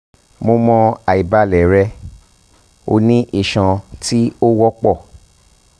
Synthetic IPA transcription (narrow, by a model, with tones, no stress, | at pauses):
mo˧mɔ̃˧a˨i˨ba˧˦lɛ˨ɾɛ˧ | o˧nĩ˦ʔi˦˨ʃã˨ti˦o˦wɔ˦k͡pɔ˦˨